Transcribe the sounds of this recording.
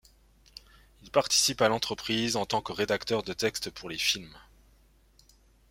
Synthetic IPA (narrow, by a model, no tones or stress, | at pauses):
ilpaʁt̪i̥sipalɑ̃t̪χəpχizɑ̃t̪ɑ̃kəʁed̪akt̪œʁd̪ət̪ɛkst̪pʰuʁlefilm